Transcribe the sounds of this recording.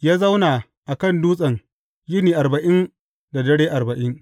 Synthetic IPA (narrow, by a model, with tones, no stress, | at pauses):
jaː˦za˦wnaː˨ | ʔa˨kɐ˦˨nduː˦sʼɐ˨ŋ | jɪ˦niː˨ʔa˨ɾbɐ˨ʔɪ˦n | da˨dɐ˦ɽeː˦ʔa˨rbɐ˨ʔɪ˦ŋ